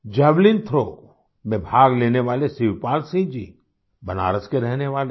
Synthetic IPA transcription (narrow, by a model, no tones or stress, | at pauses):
d͡ʒablint̪ʰɾoː | mebʱaːɡleːneʋaːlesɪʋpaːlsĩd͡ʒḭ | bəna̰ːɾəskeɾɛɦneʋaːle